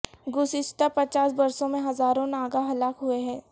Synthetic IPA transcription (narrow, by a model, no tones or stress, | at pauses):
ɡʊsɪʃt̪apɐt͡ʃaːsbɐɾsõmẽɦɐzaːɾõnaːɡaɦɐlaːkɦueɦɛ̃ː